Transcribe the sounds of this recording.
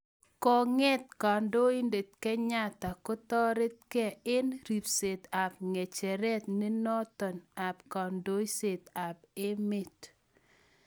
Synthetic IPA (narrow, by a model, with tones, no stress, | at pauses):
kɔ˨ŋɛ˦t̚ka˨ndo˦i˦nde˨t̪kɛ˦ɲa˦ta˨ko˦tɔ˦ɾe˦t̪̚kɛ˨ɪ˦nɾi˨pse˨t̪a˨p̚ŋe˨t͡ʃɛ˨ɾɛ˦t̪ne˦nɔ˦t̪ɔ˨na˨pkɔ˨ndo˦i˦se˨t̪a˨pe˦me˦t